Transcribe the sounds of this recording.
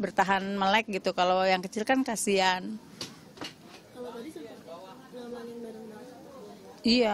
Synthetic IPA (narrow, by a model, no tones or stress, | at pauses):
bərt̪aɦanməlajk̚ɡit̪ukalojaŋkət͡ʃilkankasian | kal | aŋnbaɾaŋa | ija